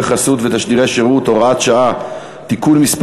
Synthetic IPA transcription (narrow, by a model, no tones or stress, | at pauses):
eχasut̪vet̪aʃd̪iʁeʃeʁut̪o̞ʁaat̪ʃaa | t̪ikulmisp